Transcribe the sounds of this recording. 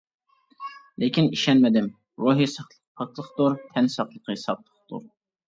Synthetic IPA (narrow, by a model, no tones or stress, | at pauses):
lɪkʲiniʃɛnmɪd̪ɪm | ɾoɦijsəχ | pʰːəχ̚lˠəχt̪ʊɾt̪ʰɛnsɑqlˠəqʰəsɑp̚lˠə̥χt̪ṵɾ